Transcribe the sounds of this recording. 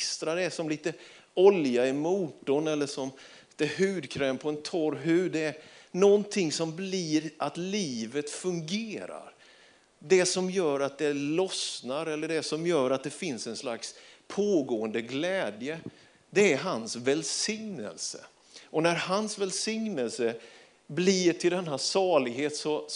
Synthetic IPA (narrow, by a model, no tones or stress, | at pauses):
st̪ɾad̪ɛæʂɔmliːt̪ə | ɔljaɪmuːʈɔnɛlːəʂɔmː | t̪əhʉ̟ːd̪kʰɾɛːmpʰɔɛnt̪ʰɔɾɦʉ̟ːd̪ɛːɾnɔnt̪ʰɪŋsɔmbliːɾʔat̪liːvət̪fɵŋɡeːɾa̰ɾ | d̪ɛsɔmjœːɾat̪̚d̪ɛlɔsnaɾɛlːəɖɛsɔmjœːɾat̪̚d̪ɛfɪnsɛnsla̰kspʰoːɡoːənd̪əɡlɛːd̪jə | d̪ɛæɾɦansvɛlsɪŋnə̰lsə̰ | ʔɔnæɾhansvɛlsɪŋnəlsə | bliːʈʰɪld̪ɛnɦæsɑːɭɪɡheːt̪sɔ